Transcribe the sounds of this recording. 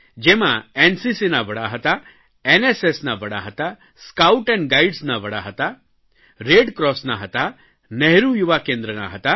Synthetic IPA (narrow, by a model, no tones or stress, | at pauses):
d͡ʒemãensisinaʋəɽaɦət̪a | enesesnaʋəɽa̰ɦət̪a | skawʈɛ̃ɳɡajɖsnaʋəɽa̰ɦət̪a | ɾeɖkɾɔsnaɦət̪a | neɦɾujuʋakẽnd̪ɾəna̰ɦət̪a